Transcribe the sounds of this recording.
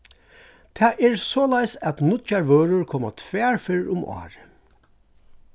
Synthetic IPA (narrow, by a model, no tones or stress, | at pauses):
t̪ʰɛːʔɛɹsɔːlajsæt̪nʊt̪t͡ʃaɹʋøːɹʊɹkʰɔːma̰t̪ʰʋɛːɹfɪɹʊmʔɑ̰ːɹə